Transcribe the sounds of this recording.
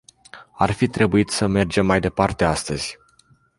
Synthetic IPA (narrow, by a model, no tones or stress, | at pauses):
a̰rfit̪ɾe̞buit̪səme̞rd͡ʒe̞mːajd̪e̞part̪e̞ast̪əz̥ʲ